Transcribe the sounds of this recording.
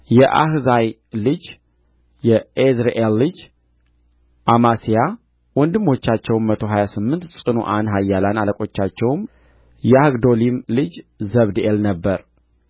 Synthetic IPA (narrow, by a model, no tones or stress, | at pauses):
jɛʔa̰hzaj | lɨd͡ʒ | jɛezɾeʔelːɨd͡ʒ | ʔamasija | wɔnd̪ɨmːo̞t͡ʃːat͡ʃːɛwmmət̪ʰo̞ɦajasɨmːɨnt̪sʼɨnṵʔanɦajːalanaləkʼo̞t͡ʃːat͡ʃːɛwm | jɛaɡd̪o̞limlɨd͡ʒzəβd̪ɨʔelnəbːəɾ